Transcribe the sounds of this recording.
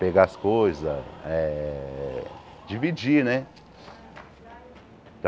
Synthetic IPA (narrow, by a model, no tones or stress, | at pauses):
peɡaɐskojzɐɛ | d͡ʒivid͡ʒinɛ | t̪